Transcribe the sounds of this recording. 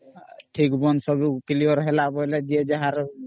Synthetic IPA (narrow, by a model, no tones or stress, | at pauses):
ʈʰikbɔnsɔbukiliɔɾɦɛlabɔjlɛd͡ʒiɛd͡ʒaɦaɾ